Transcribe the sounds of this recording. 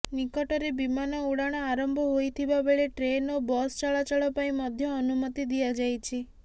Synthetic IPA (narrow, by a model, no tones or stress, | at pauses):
nikɔʈɔɾebimanɔuɽaɽ̃ɔaɾɔmbʱɔɦojt̪ʰibabeɭeʈɾenobɔst͡ʃaɭat͡ʃaɭɔpaĩmɔd̪ʱjɔːnumɔt̪id̪iad͡ʒajt͡ʃʰi